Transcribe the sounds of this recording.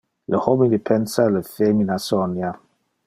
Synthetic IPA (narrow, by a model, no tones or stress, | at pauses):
ləhomĩdpʰɛnsaləfeminasɔnja